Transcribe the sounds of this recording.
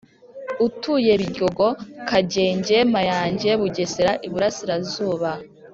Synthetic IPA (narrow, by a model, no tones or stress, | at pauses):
utuje̞βiɟo̞ɡo̞kaɟe̞ːɲɟe̞majaːɲɟe̞βuɟe̞seɾaʔiβuɾasiɾazuːβa